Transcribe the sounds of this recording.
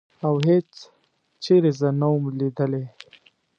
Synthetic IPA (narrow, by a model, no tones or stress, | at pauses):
awɦet͡s | t͡ʃeɾezənawumlid̪əle